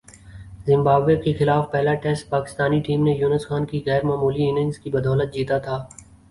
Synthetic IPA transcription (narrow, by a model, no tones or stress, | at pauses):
zɪ̃mbaːbʋekexɪlaːfpɛɦlaʈɛsʈ̚paːkɪ̥st̪aːniʈiːmnejuːnəsxaːnkiɣɛːɾmaːmuːliɪnɪ̃ŋzkibɐd̪ɔːlət̪̚d͡ʒiːt̪at̪ʰaː